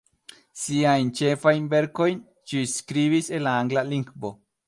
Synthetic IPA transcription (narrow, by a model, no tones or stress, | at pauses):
siajnt͡ʃe̞fajnve̞ɾko̞jn | ʃiskɾiβise̞nlaaŋɡlaliŋɡbo̞